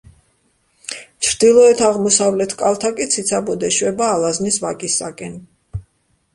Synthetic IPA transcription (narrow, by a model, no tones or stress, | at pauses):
t͡ʃʰɾd̪ilˠɔɛt̪ʰaʁmɔsavlɛt̪ʰkʼalˠt̪ʰakʼit̪sʰit̪sʰabɔd̪ɛʃwɛbaːlˠaznisvakʼisːakʼɛn